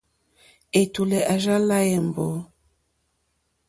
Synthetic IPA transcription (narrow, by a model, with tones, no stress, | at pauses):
e˨tu˨le˨ʔa˨ʒa˦la˦je˨m̩˨bɔ˨˦